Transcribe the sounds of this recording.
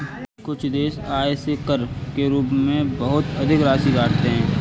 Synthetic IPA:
kʊt͡ʃʰd̪eːsaːesekəɾkeɾuːpmẽbɐɦʊt̪ɐd̪ʱɪkɾaːsibaːʈʰt̪eɦɛ̃ː

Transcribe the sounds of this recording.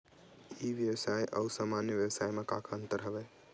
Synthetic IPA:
iʋjəwsajʔəusaːmanjəʋjəʋsajmeka̰kʰənt̪əɾɦəbɛ

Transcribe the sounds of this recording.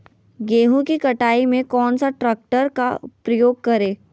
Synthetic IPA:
ɡeːɦũkikɐʈaːimẽkɔːnsaʈɾɛːk̚ʈəɾka̰pɾɐjoːɡ̚kɐɾeː

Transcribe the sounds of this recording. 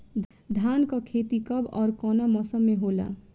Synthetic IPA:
d̪ʱankʌkʰet̪ikʌbɔ̰ɾkɔnamʌsʌmːeɦola̰

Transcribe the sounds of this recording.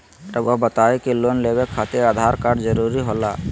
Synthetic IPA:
ɾəbobət̪aːekeloːnlebekʰːat̪eɾaːd̪ʱaːɾkaːɾɖd͡ʒəɾuɾiɦola

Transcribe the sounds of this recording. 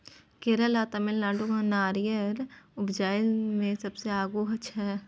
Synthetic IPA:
keːɾəlaːt̪əmɪlnaːɖuɡãnaːɾɪjəɾʊbd͡ʒaːɪmẽsɐbseaːɡuɦɐt͡ʃʰɦɛː

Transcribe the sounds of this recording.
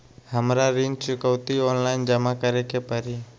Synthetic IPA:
həmɾaɾint͡ʃʊkəwt̪ioːnlaɪnd͡ʒəmakəɾekepəɾiː

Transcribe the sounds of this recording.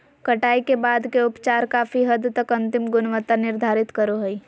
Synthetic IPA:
kɐʈaːikebaːd̪keʊpt͡ʃaːɾkaːfiɦɐd̪t̪ɐkɐ̃nt̪ɪmɡʊnʋət̪anɪɾd̪ʱaːɾɪt̪kəɾoɦəi

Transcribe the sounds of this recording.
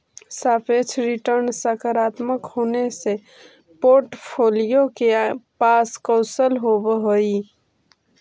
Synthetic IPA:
saːpʰet͡ʃʰɾɪʈəɾnsəkəɾaːt̪məkhoːnese | poːɾʈpʰoːlijokepaːskɔ̃ʊsəlɦobɦoi

